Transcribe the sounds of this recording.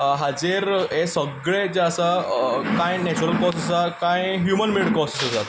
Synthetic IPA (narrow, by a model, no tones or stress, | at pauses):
ɦad͡ziɾesəɡɭed͡ʑeəsakãjnɛt͡ɕuɾəlkɔsəsakãjɦjumənmiɭɖkɔsəsəsat̪